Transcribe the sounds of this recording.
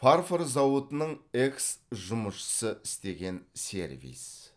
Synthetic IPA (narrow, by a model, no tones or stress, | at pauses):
pʰarfoɾzɑwət̪ənəɴe̞ksʒʊməʃə̥səʔɪst̪e̞ɡʲe̞nsʲe̞̰ɾvḭs